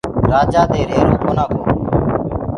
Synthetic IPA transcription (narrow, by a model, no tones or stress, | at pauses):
ɾaːd͡ʒaːt̪eːɾeːɾoːkoːnaːkʰoː